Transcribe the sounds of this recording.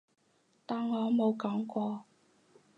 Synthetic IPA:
t̪aː˨ŋŋɔː˨˧mo˨˧wkɔː˨˥ŋkʷɔː˧

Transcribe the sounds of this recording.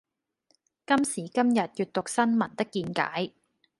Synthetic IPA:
kɐ˥msiː˨˩kɐ˥mjɐ˨t̚jyː˨t̚t̪ʊ˨k̚sɐ˥nmɐ˨˩nt̪ɐ˥kːiː˧nka̰ː˨˥j

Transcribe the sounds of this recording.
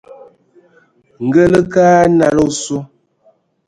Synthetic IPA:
ŋ̩˨ɡə˦lə˦kaː˦na˨lo˦su˦

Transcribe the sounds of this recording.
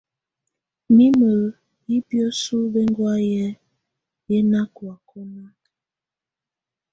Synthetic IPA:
mi˦mə˨ | ji˦bjɔ˦su˦be˦ŋ˦ɡwa˦jɛ˦ | jɛ˦na˦kwa˨kʰɔ˦na˦

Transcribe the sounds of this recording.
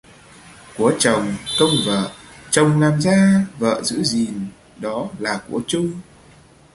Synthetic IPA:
ku˧˩ət͡ɕə˨˩wŋ͡mkə˧wŋ͡mvə̰ː˧˨t͡ɕə˨˩wŋ͡mlaː˨˩mzaː˧və̰ː˧˨zɨ̰˧˥zi˨˩n | ɗɔ˨˦laː˨˩ku˧˩ət͡ɕʊ˧ŋ͡m

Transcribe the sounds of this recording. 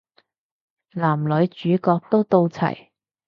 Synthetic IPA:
laː˨˩mlɵ˨˥t͡ʃyː˨˥kɔː˧k̚t̪o˥wt̪o˧wt͡sʰɐ̰˨˩j

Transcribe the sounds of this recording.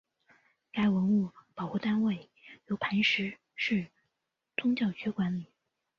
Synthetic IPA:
ka˥˩ɪwə˧˥nu˥˩pɑ˨˩ʊxu˥˩t̪a˥nwe˥˩ɪ | jo˧˥ʊpʰa˧˥nʂɻ̩˧˥ | ʂɻ̩˥˩ | t͡sʊ˥ŋt͡ɕjɑ˥˩ʊt͡ɕɥɛ˧˥kwa˧˥nli˨˩˦

